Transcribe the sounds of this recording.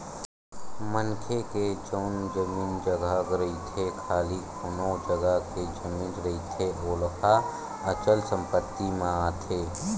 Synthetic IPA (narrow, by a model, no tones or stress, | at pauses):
mənkʰeked͡ʒɔːnd͡ʒəmiːnd͡ʒəɡaɡɾəit̪ʰekʰaːlikonod͡ʒəɡəɦked͡ʒəmĩːnɾəit̪ʰeoːlpʰa | ət͡ʃəlsə̃mpət̪ːimẽaːt̪ʰeː